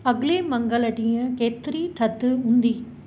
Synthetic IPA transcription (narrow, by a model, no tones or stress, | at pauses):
ɐɡleːmɐŋɡɐlɐʈijɐ̃ket̪ːɾit̪ʰɐt̪ːɯʊnd̪i